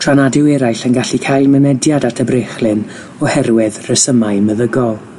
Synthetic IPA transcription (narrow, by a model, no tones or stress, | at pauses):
tʰr̥anadɪwɛɾajɬənɡaɬikʰajlˠmənɛdjadatʰəbreχlˠɨn | ɔhɛrwɪðrəsəmaɨməðəɡɔlˠ